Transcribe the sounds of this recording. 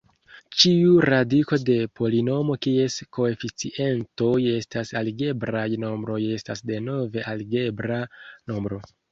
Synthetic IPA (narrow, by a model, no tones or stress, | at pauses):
t͡ʃiuɾadiko̞de̞pʰo̞lino̞mo̞kie̞sko̞e̞fit͡siʔe̞nto̞je̞stasaliɡe̞bɾajno̞mbɾo̞je̞stasde̞no̞ve̞ʔaliɡe̞bɾano̞mbɾo̞